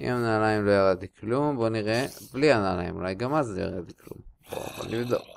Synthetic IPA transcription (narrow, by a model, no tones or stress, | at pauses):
ḭmamnaːlaimlo̞jaʁad̪̚t̪iklumbo̞niʁeblianalaimṵlajɡamazloja̰ʁat̪iklṵmb̥o̰bo̰nʔivd̪o̰k